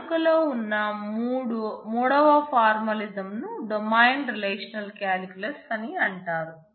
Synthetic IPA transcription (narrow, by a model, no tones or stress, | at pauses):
kɐloːunːɐmuːɽumuːɽɐʋɐpʰaːɾmɐlizɐmnuɖɐmɐjɳɖɾileːʂɐnɐlkjaːɾikulɐsɐniɐɳʈaːɾu